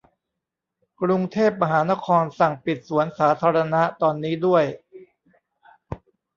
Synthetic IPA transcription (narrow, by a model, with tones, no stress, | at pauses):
kɾu˧ŋt̪ʰeː˥˩p̚ma˧ɦaː˩˦na˦˥kʰɔː˧nsa˨˩ŋpi˨˩t̪̚su˨˩˦ənsaː˩˦t̪ʰaː˧ɾa˧na˦˥t̪ɔː˧nːiː˦˥du˥˩əj